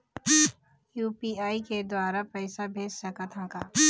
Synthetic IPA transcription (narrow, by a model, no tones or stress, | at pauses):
juːpiːaːiked̪waːɾapɛːsabʱeːd͡ʒsɐkat̪ʰãːkaː